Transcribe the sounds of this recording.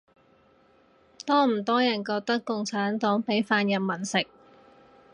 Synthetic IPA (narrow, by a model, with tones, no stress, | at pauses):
t̪ɔː˥m̩˨˩t̪ɔː˥jɐ˨˩nkɔː˧k̚t̪ɐ˥kːʊ˧ŋt͡sʰaː˨˥nt̪ɔː˨˥ŋpe˨˥jfaː˧njɐ˨mmɐ˨˩nsɪ˨k̚